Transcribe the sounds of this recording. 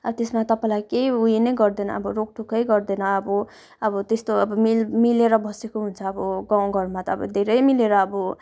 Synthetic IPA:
ʌt̪esmat̪ʌpãjlajkejujenʌjɡʌrd̪enʌʌ̰bʌɾok̚ʈʰukʌjɡʌrd̪ʌnʌːbʌ | ʌbʌt̪est̪oʌbʌmilmileɾʌbʌsekoɦunt͡sʰʌːbʌɡãw̃ɡʱʌrmat̪ʌːbʌd̪ʱeɾʌjmileɾʌːbʌ

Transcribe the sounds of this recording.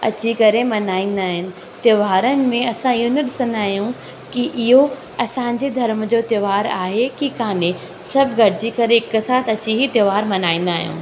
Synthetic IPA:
ɐ̰t͡ɕikɐɾemɐnaːĩːn̆d̪aːɦɪnɪ̆ | t̪jʋaːɾənɪ̆mẽɐsãɪɦonɐɗɪsə̃nd̪aːɦijũ | kiʔɪɦo | ɐsãːɪ̃ɲ̆d͡ʑed̪ʱɐɾmd͡ʑoːt̪ɐʋaːɾaːɦekikaːne | sɐbʱɡʱɐɾɪd͡ʑikɐɾeɪkɪsaːt̪ʰɐt͡ɕiɦit̪jɐʋaːɾmɐnaːĩːn̆d̪aːɦijṵ̃ː

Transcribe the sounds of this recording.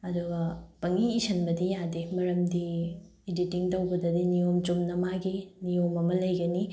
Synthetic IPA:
ɐduɡɐpɐŋiːsʰɐnbɐdijadimɐɾɐmdiː | ditiŋtɐwbɐdɐdinijomt͡ʃumnɐmaɡinijomɐmɐlɐjɡɐni

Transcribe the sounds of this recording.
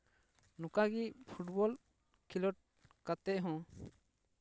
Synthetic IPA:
nũkaɡipʰuʈbɔl | kʰilɔʈ̚ | kat̪ɛʔɦɔ̃

